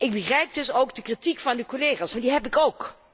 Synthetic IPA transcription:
ʔɪɡ̚bəχrɛjp̚dɵsowɡdəkritikfɑnykoleːχaːsɑndiɦɛpɪkowk

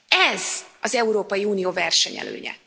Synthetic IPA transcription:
ɛzɒzɛuɾoːpɒjiuːnijoːvɛrʃɛɲɛ̰lø̰ːɲɛ̰

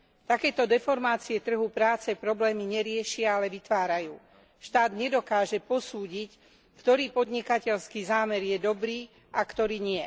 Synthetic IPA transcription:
t̪akɛːt̪ɔd̪ɛfɔɾmaːt͡siɛt̪r̩ɦupɾaːt͡sɛpɾɔblɛːmiɲɛɾɪɛʃɪaalɛʋit̪ʋaːɾajuː | ʃt̪aːd̪ɲɛd̪ɔkaːʒɛpɔsuːɟic | kt̪ɔɾiːpɔd̪ɲikacɛʎskiːzaːmɛɾjɛd̪ɔbɾiː | ʔakt̪ɔɾiːɲɪɛ

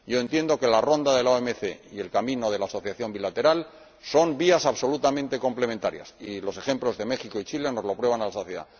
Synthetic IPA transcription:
ɟ͡ʝo̞e̞nt̪je̞nd̪o̞ke̞laro̞nd̪aðeloemeθe̞ie̞lkamĩno̞ð̞e̞laːso̞θjaθjo̞mbilat̪e̞ɾal | so̞mbiasaβso̞lut̪amẽ̞nt̪e̞ko̞mple̞ment̪aɾja̰silo̞se̞xe̞mplo̞zðe̞me̞xikoit͡ʃile̞no̞zlo̞pɾwe̞β̞analaso̞θje̞ða̰

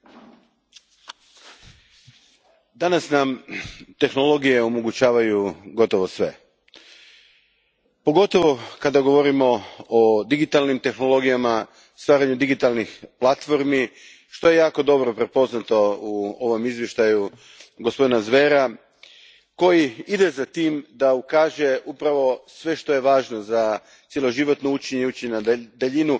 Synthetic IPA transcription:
d̪anasnamt̪e̞xno̞lˠo̞ɡije̞omo̞ɡut͡ɕaːʋajuɡo̞t̪o̞ʋosʋe̞̰ | po̞ɡo̞t̪o̞ʋo̞kad̪aɡo̞ʋo̞ɾimo̞od̪iɡit̪alnimt̪e̞xno̞lˠo̞ɡijama | st̪ʋaːɾaɲud̪iɡit̪alˠnixplˠat̪fo̞ɾmi | ʃt̪o̞je̞jaːko̞d̪o̞bɾo̞pɾe̞po̞znat̪o̞uo̞ʋo̞mizʋje̞ʃt̪aju | ɡospo̞d̪inazʋe̞ɾa | ko̞jiid̪e̞zat̪iːmd̪aukaːʒe̞ʔupɾaʋo̞sʋe̞ʃt̪o̞je̞ʋaːʒno̞za | t̪sje̞lˠo̞ʒiʋo̞t̪nout͡ʃeɲeut͡ʃeɲenad̪eʎinu

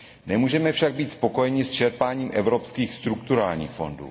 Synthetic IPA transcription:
nɛmuːʒɛmɛfʃaɡ̚biːt̪spoko̞jɛɲɪst͡ʃɛɾpaːɲiːmʔɛvɾo̞pskiːxst̪ɾukt̪uɾaːlɲḭːxfo̞̰ndṵː

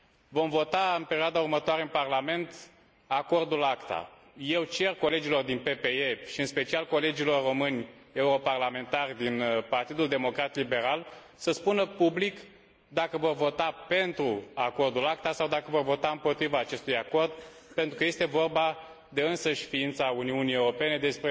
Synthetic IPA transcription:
vo̞mvo̞t̪aɨnpeɾiad̪aurmət̪oaɾeɨnparlame̞nt̪ | ako̞rd̪ulakt̪a̰ | je̞wt͡ʃe̞rko̞le̞d͡ʒilo̞rd̪inpe̞pe̞eʃiɨnspe̞t͡ʃialko̞le̞d͡ʒilo̞rro̞mɨnʲ | e̞uɾo̞parlame̞nt̪arʲd̪inpart̪id̪uld̪e̞mo̞kɾat̪libe̞ɾal | səspunəpublik | d̪akəvo̞rvo̞t̪ape̞nt̪ɾuako̞rd̪ulak̚t̪asawd̪akəvo̞rvo̞t̪aɨmpo̞t̪ɾivaːt͡ʃe̞st̪ujako̞rd̪̚ | pent̪ɾukəje̞st̪e̞vo̞rba | d̪e̞ɨnsəʃfiint̪sauniunie̞wɾo̞pe̞ne̞d̪e̞spɾe

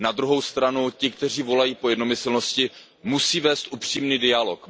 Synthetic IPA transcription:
nad̪ɾuɦo̞wst̪ɾanucɪk̚t̪ɛr̝iːvo̞lajiːpo̞jɛdno̞mɪslno̞scɪ | musiːvɛːst̪ʔupr̝̥iːmniːdɪalo̞k

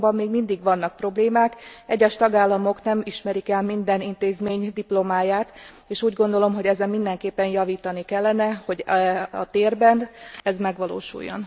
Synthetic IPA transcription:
bɒmːeːɡmind̪iɡʋɒnːɒk̚pro̞bleːmaːkɛɟːɛʃt̪ɒɡaːlːɒmo̞knɛmiʃmɛɾikɛlmind̪ɛnint̪eːzmeːɲd̪iplo̞maːjaːt̪ | eːʃuːɟɡo̞nd̪o̞lo̞mɦo̞ɟɛzɛmmːind̪ɛŋkeːpːɛnjɒviːt̪ɒnikɛlːɛnɛho̞ɟɒ̰t̪eːrbɛnd̪ɛzmɛɡʋɒlo̰ːʃṵjːo̞̰n

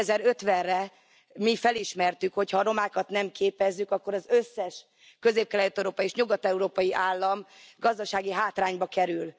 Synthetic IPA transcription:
ɛzɛɾø̞t̪ʋɛnrɛ | mifɛliʃmɛrt̪ykho̞chɒːɾo̞maːkɒt̪nɛmkʰeːpɛzːykɒkːo̞ɾɒzø̞sːɛʃ | kø̞zeːp̚kɛlɛlt̪ːɛɾoːpɒjieːʃɲuɡɒt̪ɛuɾoːpɒjiʔaːlːɒmɡɒzd̪ɒʃaːɡiɦaːt̪raːɲbɒkɛɾyl

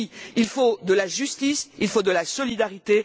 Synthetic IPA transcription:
iilfod̪əlaʒyst̪isilfod̪əlasɔlid̪aʁit̪e

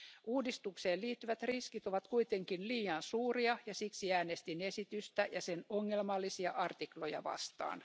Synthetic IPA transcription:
ʔuːdist̪ukseːlliːt̪ːyʋæt̪riskit̪o̞ʋɑt̪kuit̪e̞ŋkinliːjɑnsuːriɑjɑsiksiæːnest̪ine̞sit̪yst̪æjɑsenoŋːelmɑlːisiɑʔɑrt̪iklo̞jɑ̰ʋɑ̰st̪ɑ̰ːn

